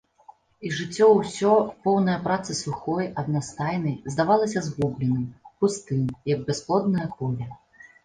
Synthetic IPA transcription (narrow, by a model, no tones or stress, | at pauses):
iʐɨt͡sʲːɔwsʲɔpɔwnɐjɐpɾat̪sɨsuxɔjɐd̪nast̪ajnɐjzd̪avalˠɐsʲɐzɣublʲɛnɨmpust̪ɨmjɐɡ̚bʲɛsplˠɔd̪̚nɐjɐkɔlʲɛ